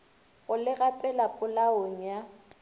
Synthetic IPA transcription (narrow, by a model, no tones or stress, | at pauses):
ɣʊlɪɣapʼɛlapʼʊlaoŋ̩ja